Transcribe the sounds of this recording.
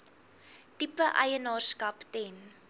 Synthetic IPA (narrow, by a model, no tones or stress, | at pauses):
tipəʔɐ̰jənɑːrskɐptɛn